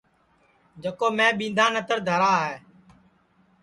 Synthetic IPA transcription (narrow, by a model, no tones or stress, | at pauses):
d͡ʒəkoːmẽːɓĩːnd̪ʱãːnət̪əɾd̪ʱəɾaːɦeː